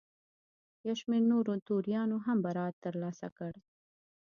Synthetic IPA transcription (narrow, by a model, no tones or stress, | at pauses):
jawʃmeɾnoɾot̪oɾjɑnoɦambaɾɑt̪ːəɾlɑsa̰kəɽ